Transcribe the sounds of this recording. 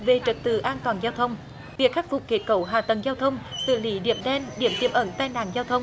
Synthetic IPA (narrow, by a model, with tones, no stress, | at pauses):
ve˨˩t͡ɕə˨˩t̚t̪ɨ̰˧˩ʔaː˧nt̪waː˨˩nzaː˧wt̪ʰə˧wŋ͡m | vi˨˩ək̚xa˦˥k̚fʊ˨˩k͡p̚ke˨˦˥t̚kə˧˦wɦaː˨˩t̪ə˨˩ŋzaː˧wt̪ʰə˧wŋ͡msɨ̰˧˨li˧˦ɗḭ˧˨əmɗɛ˧nɗḭ˧˩əmt̪ḭ˧˩əmʔə˧˦nt̪aː˧jna̰ː˧˨ŋzaː˧wt̪ʰə˧wŋ͡m